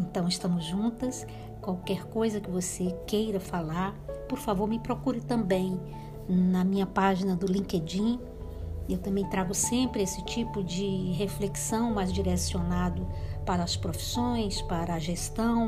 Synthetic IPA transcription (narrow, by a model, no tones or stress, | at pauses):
ẽnt̪ɐ̃w̃ɪst̪ɐ̃mʊzʒũt̪ɐs | kwawkɛɾkojzɐkɪvosekejɾɐfalaɾpoɾfavoɾmɪpɾokuɾɪt̪ɐ̃mbẽj̃ | nɐmĩɲɐpaʒinɐd̪ʊlĩked͡ʒĩ | ewt̪ɐ̃mbẽj̃t̪ɾaɡʊsẽmpɾɪesɪt͡ʃipʊd͡ʒɪɦefleksɐ̃w̃majzd͡ʒiɾesionad̪ʊpaɾɐːspɾofi̥sõj̃spaɾɐːʒest̪ɐ̃w̃